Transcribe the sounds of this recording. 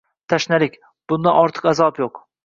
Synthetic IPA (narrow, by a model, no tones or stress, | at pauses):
t̪ʰaʃnalɪkʲ | b̥ʊnd̪anʔɒɾt̪ʰɨ̥qazɒpjoq